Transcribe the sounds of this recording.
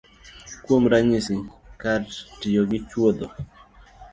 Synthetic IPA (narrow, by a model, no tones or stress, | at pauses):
kwomɾaɲɪsɪkatɪjoɡɪt͡ʃwod̪o